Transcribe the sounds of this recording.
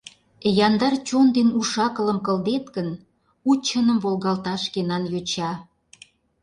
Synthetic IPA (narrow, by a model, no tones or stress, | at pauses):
jɑnd̪ɑrt͡ɕond̪enuʃɑkə̆lə̆mkəld̪et̪kən | ut͡ɕənəmvolɣɑlt̪ɑʃkenɑnjot͡ɕɑ